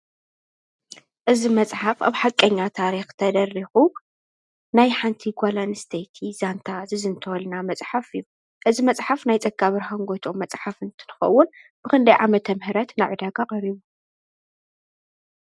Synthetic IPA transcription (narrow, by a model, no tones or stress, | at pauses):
ʔɨzimɐt͡sʼħafa̰βħakʼːɐɲːat̪ʰaɾixt̪ʰɐd̪ɐrːixu | najħant̪ʰiɡʷalanɨst̪ʰejt̪ʰizant̪ʰazɨzɨnt̪ʰɐwɐlnamɐt͡sʼħafɨjː | ʔɨzimɐt͡sʼħafnajt͡sʼɐɡːaβɨɾɦaŋɡo̞jt̪ʰomːɐt͡sʼħafɨnt̪ʰɨnɨxɐ̰wːʊnb̥ɨkʰɨnd̪ɐjʕamɐt̪ʰːɐmhɨɾɐt̪najʕud̪aɡaqʼɐɾiβu